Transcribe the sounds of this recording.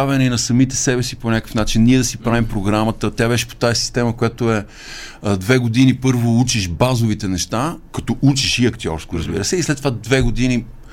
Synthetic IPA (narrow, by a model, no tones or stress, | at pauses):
avɛnɛinɐsɐmit̪ɛsɛbɛsiponʲakə̥fnat͡ʃinːiɛd̪ɐsipɾavimpɾoɡɾamət̪ət̪ʲjabɛʃɛ̥po̥t̪aɛsi̥st̪ɛməkojat̪oɛ | d̪vɛɡod̪inipɤɾvout͡ʃiʃbazovit̪ɛnɛʃt̪akɐ̥t̪ɔʔut͡ʃiʃiɐkt̪iɔ̰ɾskoɾɐzbḭɾəsɛislɛt̪ːovad̪vɛɡod̪ini